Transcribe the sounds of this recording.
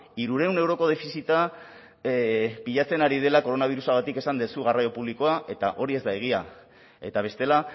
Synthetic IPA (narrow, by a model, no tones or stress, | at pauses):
iɾuɾe̞wne̞wɾo̞ko̞ð̞e̞fisit̪a | piʎat͡se̞naɾið̞e̞lako̞ɾo̞naβ̞iɾusaɣat̪ike̞sand̪e̞suɣarajo̞puβliko̞aʔe̞t̪a̰ʔo̞ɾie̞zd̪aeɣ̞ia | e̞̰t̪aβ̞e̞st̪e̞la